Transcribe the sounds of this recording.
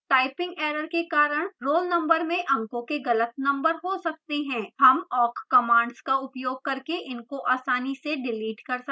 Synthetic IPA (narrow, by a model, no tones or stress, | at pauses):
ʈaːɪpɪ̃ŋɡeːɾəɾkekaːɾəɽ̃ɾoːlnɐ̃mbəɾmẽʔɐ̃ŋkõkeɡɐlət̪̚nɐ̃mbəɾɦosɐk̚t̪eɦɛ̃ːɦɐmɔːkkɐmãːɳɖskaʊpjoːɡ̚kɐɾkeʔɪnkoʔaːsaːniseɖɪliːʈkɐɾsɐ